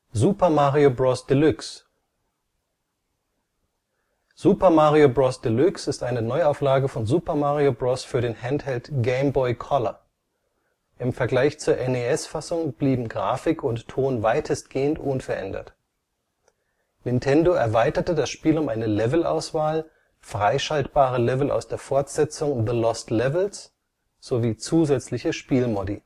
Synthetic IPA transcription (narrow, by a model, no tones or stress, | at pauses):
zuːpɐmaːʁiobʁɔsd̥ɪlʏks | z̥uːpɐmaːʁiobʁɔsd̥ɪlʏksɪstʔaɪnənɔʏaʊflaːɡəfɔnzuːpɐmaːʁiobʁɔsfyːɐɾeːnhɛnthɛltɡ̥ɛɪmbɔʏkʰɔlɐ | ʔɪmfɛɐɡlaɪçt͡suːɐʔɛneɛsfasʊŋb̥liːbm̩ɡʁa̰ːfɪkʰʊntʰːoːnvaɪtʰəstɡ̥eːəntʔʊnfɛɐʔɛ̰ndɐ̰t | nɪntʰɛndoɛɐvaɪtɐtədasʃpiːlʊmʔaɪnəlɛvl̩ʔa̰ʊsv̥aːl | fʁ̥aɪʃaltb̥aːʁ̞əlɛvl̩a̰ʊsd̥eːɐfɔɐtz̥ɛt͡sʊŋðəlɔstlɛvl̩s | z̥oviːt͡suːzɛt͡slɪçəʃpiːlmɔdḭ